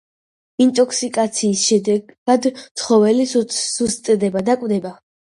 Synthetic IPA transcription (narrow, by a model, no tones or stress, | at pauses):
int̪ʼɔkʰsikʼat̪sʰiːsʃɛd̪ɛɡ̥ad̪t̪sʰχɔvɛlisust̪ʼd̪ɛbad̪akʼvd̪ɛba